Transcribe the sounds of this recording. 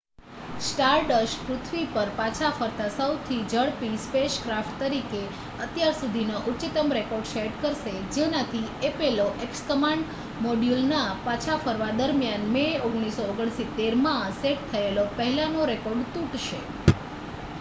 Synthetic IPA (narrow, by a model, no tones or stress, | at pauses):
sʈaɾɖəʃkɾut̪ʰʋipəɾpãt͡ʃʰafəɾt̪asəwt̪ʰid͡ʒəɭpispeʃkɾafʈt̪əɾike | ət̪jaɾsud̪ʱinoʔut͡ʃit̪əmɾekoɾɖʃeʈkəɾʃed͡ʒenat̪ʰiepeloʔekskəmaɳɖ | moɖjulnapat͡ʃʰafəɾʋad̪əɾmjanmeoɡɽ̃isooɡəɳ̃sit̪ːeɾmãseʈ̚t̪ʰəelopəɦɛlãnoɾekoɾɖt̪ũʈʃe